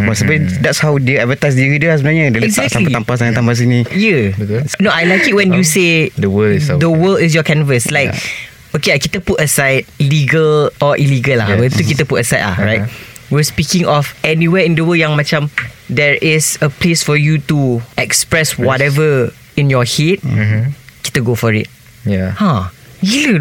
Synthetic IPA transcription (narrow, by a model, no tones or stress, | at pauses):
pɔsibəidɛtshawdeɛvətajs̬diɹidəasmənaɲãdəlɛɡzaɛk̚taliit̪ãmpasãnãt̪ãmpas̬inĩjɛnoajlaɪkit̚wɛ̃njusedəwəlsdəwəlɪs̬jɔkɛ̃nvəslaɪk | okeajkit̪əputəsaɪd̚liɡəlɔʔiliɡəlawɛ̃tukitəputəsaɪtla̰ɹaɪt̚ | wispikɪ̃ŋɔfɛniwɛɪ̃ndəwəljãŋmat͡ʃãm | dɛɹʔɪsəplesfɔjutuɛkspɹɛswɔtɛvə | ĩnjɔhet̚ | ki̥təɡofɔɹɪ̰t̚ | jaha | il